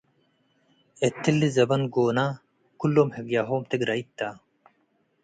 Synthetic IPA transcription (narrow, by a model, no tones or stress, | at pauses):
et̪ːilːizɐbɐnɡoːnaː | kulːomheɡjaːɦoːmt̪eɡɾait̪ːa